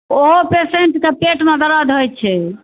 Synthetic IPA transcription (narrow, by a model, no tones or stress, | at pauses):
oɦopeseɳʈkepeʈmẽd̪əɾad̪ʱɦojt͡ʃʰɛ